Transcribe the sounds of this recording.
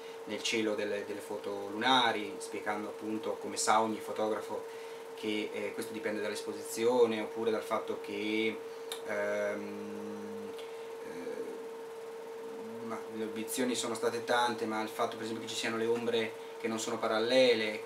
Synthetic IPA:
nelt͡ʃeːlod̪elːed̪elːefɔːt̪olunaːɾispjeɡand̪oapːunt̪okomesaoɲːifot̪ɔːɡɾafo | kʰekwest̪od̪ipɛnd̪ed̪alːespozit̪sːjoːneopːuːɾed̪alfat̪ːok̟ʰe | m | maleabit̪sːjoːnisoːnost̪aːt̪et̪ant̪emailfat̪ːopeɾezɛmpjoket͡ʃisianoleombɾe | k̟enːonsoːnopaɾalːɛːle

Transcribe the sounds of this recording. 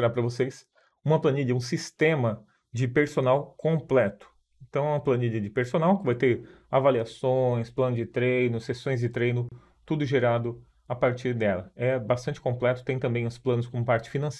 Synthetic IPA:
ɾapɾɐvoses | ũmɐplɐniʎiɐũs̬ist̪ẽmɐ | d͡ʒɪpeɾsonawkõmplɛt̪ʊ̥ | ẽnt̪ɐ̃w̃ɛũmɐplɐniʎiɐd͡ʒɪpeɾsonawkɪvajt̪eɾ | avaliasõj̃splɐ̃nʊzd͡ʒɪt̪ɾejnʊsesõj̃zd͡ʒɪt̪ɾejnʊ | t̪ud̪ʊʒeɾad̪ʊ | apaɾt͡ʃiɾd̪ɛlɐɛbast̪ɐ̃nt͡ʃɪ̥kõplɛt̪ʊ̥t̪ẽj̃t̪ɐ̃mbẽj̃ʊsplɐ̃nʊskõmʊpaɾt͡ʃɪ̥finɐ̃s

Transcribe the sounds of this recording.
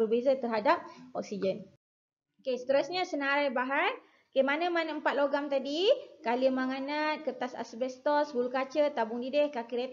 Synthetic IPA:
ərbezat̪ərɦadap̚ɔk̚sid͡ʒən | okesə̥t̪əɾasɲasənaɾajbaɦan | kemanəmanəəmpat̪̚loɡamt̪adikaliəmaŋanat̪̚kət̪asa̰sbɛst̪ɔsbulukat͡ʃət̪abʊŋdidɛhkakiɾe

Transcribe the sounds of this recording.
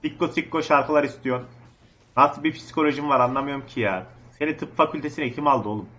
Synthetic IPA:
sikːosikːo̞ʃaɾkɯlˠaɾist̪ʰijo̞ɾ | ɾat̪ɯbipʰi̥si̥kʰo̞lʲo̞ʒimvaɾanlˠamɯjo̞ɾumcʰijase̞nit̪ʰɯpfacʰylʲt̪ʰe̞sinecʰimalˠd̪ɯo̞lˠum

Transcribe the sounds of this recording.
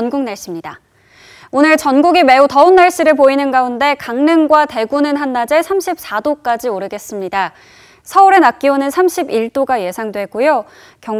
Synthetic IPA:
nɡuŋnaɭɕ͈imɲida | onɯɭt͡ɕʌnɡuɡime̞utʌunːaɭɕ͈iɾɯɭpoinɯnɡaunde̞kaŋnɯŋɡwate̞ɡunɯnɦanːad͡ʑe̞sʰamɕʰip̚s͈adok͈ad͡ʑioɾɯɡe̞s͈ɯmɲida | sʰʌuɾe̞nak͈ionɯnsʰamɕʰibiɭt͈oɡaje̞sʰaŋdwe̞k͈ujo | kjʌŋ

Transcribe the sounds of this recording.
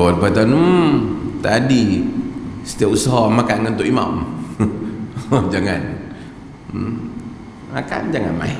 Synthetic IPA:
ɔd̪̚bat̪anu | t̪adi | sə̥t̪iaʔusaɦɔmakanənt̪ʊʔima̰m | d͡ʒaŋan̩ | maka̰nd͡ʒaŋa̰nma̰i

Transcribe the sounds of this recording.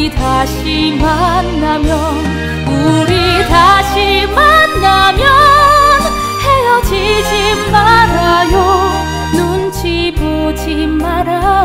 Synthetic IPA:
d̪ʱaɕimanːamjɔ | n | uɾid̪ʱaɕimanːamjɔn | hejot͡ʃʰit͡ɕimaɾajo | nunt͡ʃʰi | pot͡ɕʰi | maɾa

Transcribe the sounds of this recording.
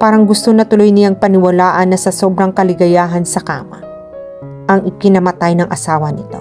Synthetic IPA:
paːɾɐŋɡʊst̪onɐt̪ʊlo̞jnɪjaŋpɐnɪwɐlaːʔɐnːɐsɐso̞bɾɐŋkɐlɪɡɐjaːɦɐnsɐka̰ːmɐ | ʔɐŋʔɪkɪnɐmɐt̪ajnɐŋʔɐsaːwɐnɪt̪o̞̰

